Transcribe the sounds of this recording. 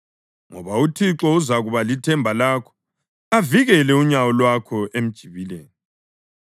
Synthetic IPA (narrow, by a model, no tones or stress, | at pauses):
ŋɔ̰βautʰiǁɔuzaɣuβalitʰɛmbʱalaːkʰɔ̥ | aviɣɛlɛuɲawɔlwakʰɔʔem̩d̥ʒ̥ʱiβilḛːni